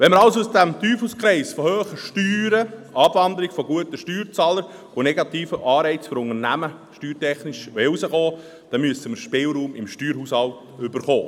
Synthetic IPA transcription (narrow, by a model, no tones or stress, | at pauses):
ʋɛnməɾɑlsusdæmt̪yːfuskɾɛɪsfohøːχəʃtyːɾəɑb̥vɑnd̪əɾiɡ̥fɔɡuətəʃtyːɾt͡sɑːləɾ | ʊnɛɡɑtiːfəʔɑːɾɛɪt͡sfɔɾʊŋəɾnæmə | ʃtyːɾtɛχnɪʃʋɛusəχɔː | d̥ɛmyəsəməɾʃpɪlɾuːmɪmʃtyːɾhuːshɑlt | ʏbəɾχoː